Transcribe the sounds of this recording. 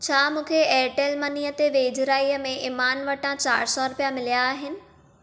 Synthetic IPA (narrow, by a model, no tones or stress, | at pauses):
t͡ɕʰaːmũːkʰeɛːʈelmɐniːət̪eʋeːd͡ʑɾaːiːəmẽɪmaːnʋɐʈãt͡ɕaːɾsɔɾʊpijamɪlijaːɦɪnɪ̆